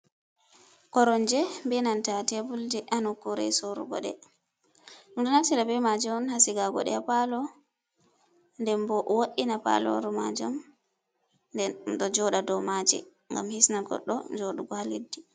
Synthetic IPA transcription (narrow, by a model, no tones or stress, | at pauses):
kɔɾɔnd͡ʒɛbɛnantatebuldiʔanukuɾɛ̰sɔɾṵɡɔ̰ɗɛ̰ | ɗumɗunatiɾabɛmad͡ʒɛɔnhasiɡaɡɔ̰ɗɛ̰apalɔ | ndɛmbɔʔwoɗinapa̰lɔ̰ɾumad͡ʒam | dɔd͡ʒɔɗadɔmad͡ʒɛ̰ | ŋɡa̰mhisnaɡɔ̰ɗːɔ̰d͡ʒoɗuɡɔhaledːi